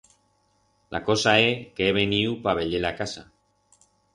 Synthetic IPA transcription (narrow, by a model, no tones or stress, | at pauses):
lʔa̰ko̞saekeːβeniupaβe̞ʎelakasa